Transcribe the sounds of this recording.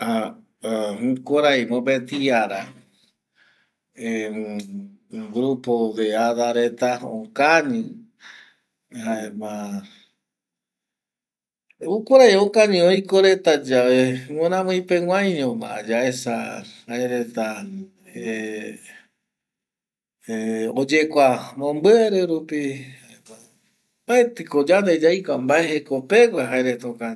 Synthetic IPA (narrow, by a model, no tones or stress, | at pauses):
a | ukoɾajmõbet̪iaɾa | e | ɡɾupod̪eaðaɾet̪ao̰kaɲĩ | aema | ukʷoɾajokaɲĩojkoɾet̪ad͡ʒaβeŋẽnãmɨ̃jpew̃ãjɲõmã̰a̰d͡ʒaesa̰haeɾe̞t̪a | e | eod͡ʒekʷamõmbɨeɾeɾupihaema | baet̪ɨkod͡ʒand̪ed͡ʒajkʷambaeɦekope̞ɡʷaɦaeɾet̪aokan